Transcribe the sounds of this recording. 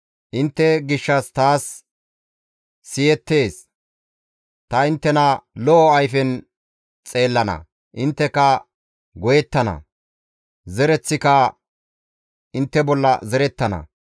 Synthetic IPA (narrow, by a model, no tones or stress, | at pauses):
ʔɪnt̪ːɛɡɪʃːɐst̪aːs | ɪjɛt̪ːe̞ːs | t̪ɐɪnt̪ːɛnɐlɔʔːɐjfɛn | t͡sʼe̞ːlːɐnɐ̰ | ʔɪnt̪ːɛkɐ | ɡɔjɛt̪ːɐnɐ̰ | zɛɾɛt͡sːɪkɐ | ʔɪnt̪ːɛbɔlːɐ̰zɛɾɛt̪ːɐnɐ̰